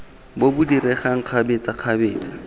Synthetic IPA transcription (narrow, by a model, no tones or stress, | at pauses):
bobudiɾɛχaŋ̩q͡χʰabet͡sʼaq͡χʰabeːt͡sʼḁ